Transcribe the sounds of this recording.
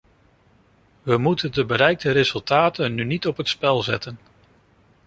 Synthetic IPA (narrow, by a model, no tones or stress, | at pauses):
ʋəmutəndəbəɾɛjk̚dəɾezɵlˠtaːtənːynitɔpɦətspɛlˠzɛ̰tən